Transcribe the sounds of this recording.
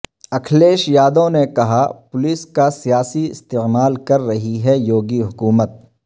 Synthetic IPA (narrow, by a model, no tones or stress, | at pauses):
ɐkʰleːʃjaːd̪õnekɐɦapʊlɪskasijaːsiɪst̪eːmaːlkɐɾːɐɦiɦɛjoːɡiɦʊkuːmət̪̚